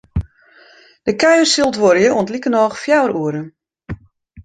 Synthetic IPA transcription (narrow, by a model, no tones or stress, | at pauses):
d̥əkœɥərsilˠtʋoɾjəuəntlikənɔːxfjawɾuəɾə